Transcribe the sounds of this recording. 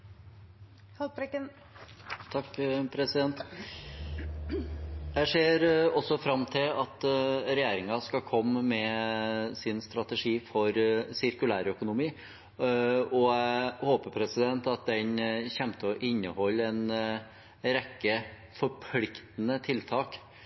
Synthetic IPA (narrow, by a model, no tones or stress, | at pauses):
hɑɾkːən | t̪ʰɑkːpʰɾɛsɪd̪ɛnt̪ | jæɪʂeːɾɔsːɔfɾɑmːt̪ʰɪlɑt̪ɾɛjeːɾɪŋɑskɑkʰɔmːmɛ | sɪnst̪ɾɑt̪əʂiːfɔɾsɪɾkʉlæːɾœkʊnʊmiː | ɔæhoːpəpʰɾɛsɪd̪ɛnt̪ɑt̪̚d̪ɛɲçɛmt̪əɔʔɪnːəhɔlːɛn | ɾɛkːə | fɔɾpʰlɪkt̪nət̪ʰɪlt̪ʰɑːk